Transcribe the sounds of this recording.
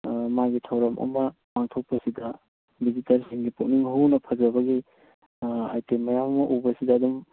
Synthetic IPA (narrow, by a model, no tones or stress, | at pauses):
maɡitʰɐwɾɐmʔɐ̰mɐpaŋtʰok̚pɐsidɐ | bizitɐɾsiŋɡipuk̚niŋɦuwnɐpʰɐzɐbɐɡi | ajtemɐjamɐmɐʔubɐsidɐːdum